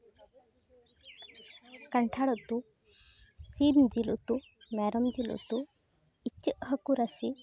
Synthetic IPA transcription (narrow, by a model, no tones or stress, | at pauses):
kaɳʈʰaɽɔt̪u | simd͡ʒilṵt̪umɛɾɔmd͡ʒilṵt̪u | it͡ʃːiʔɦəkuɾasi